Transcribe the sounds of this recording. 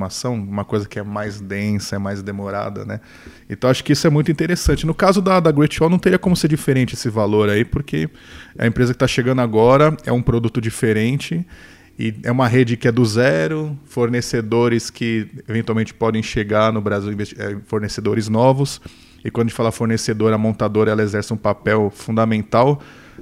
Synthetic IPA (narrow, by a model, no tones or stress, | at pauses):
masɐ̃w̃ũmɐkojzɐkɪɛmajzd̪ẽsɐɛmajzd̪emoɾa̰d̪ɐ̰nɛ | ẽt̪ɐ̃w̃aʃʊ̥kɪisʊɛmũj̃t̪ʊĩt̪eɾesɐ̃nt͡ʃɪnʊkazʊd̪ɐd̪ɐɡwet͡ʃɔwnɐ̃t̪eɾiɐkõmʊseɾd͡ʒifeɾẽnt͡ʃɪesɪvaloɾaipʊɾkʰe | ɐ̰ẽpɾezɐkɪt̪aʃeɡɐ̃nd̪ʊaɡɔɾɐɛ̰ũpɾod̪ut̪ʊd͡ʒifeɾẽnt͡ʃɪ | ɪɛ̰ũmɐɦed͡ʒɪkɪɛd̪ʊzɛɾʊfoɾnesed̪oɾɪskɪevẽnt̪uawmẽnt͡ʃɪ̥pɔd̪ẽj̃ʃeɡanʊbɾaziwĩvest͡ʃɛ̰foɾnesed̪oɾɪznɔvʊs | ɪkwɐ̃d̪̃t͡ʃɪfalafoɾnesed̪oɾɐmõnt̪ad̪oɾɐɛlɐezɛɾsɪũpapɛwfũd̪amẽnt̪aw